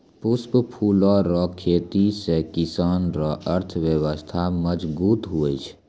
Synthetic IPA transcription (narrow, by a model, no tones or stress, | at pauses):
pʊspəpʰuːlɔɾɔːkʰeːt̪isekɪsaːnɾɔʔəɾt̪ʰʋjəwəst̪ʰaməd͡ʒbuːt̪ɦuet͡ʃʰ